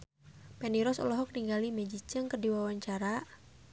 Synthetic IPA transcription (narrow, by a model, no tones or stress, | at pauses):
pɛniɾɔsɔ̰lɔɦɔk̚niŋɡalimɛd͡ʒit͡ʃəŋkərdiwawaɲt͡ʃaɾa